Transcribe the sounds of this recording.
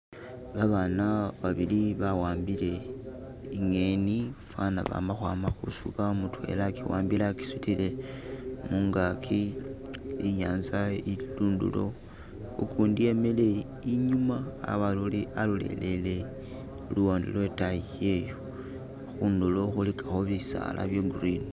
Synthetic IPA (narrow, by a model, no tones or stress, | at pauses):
βaβanaβaβiliβawaːmbile̞ | iŋe̞nifanaβa̰maxwamaxusukamutwe̞̰lakiwa̰ːmbilaki̥sutile̞ | muŋɡakʰi | ijaːnzailuːndṵlo̞̰ | ukʰuːndijemele̞ | iɲuma̰ːβaluliʔalulḛle̞le | luwondḭlwetaije̞jo | xunduloxulikʰaxoβisa̰lʔa̰βjoɡurin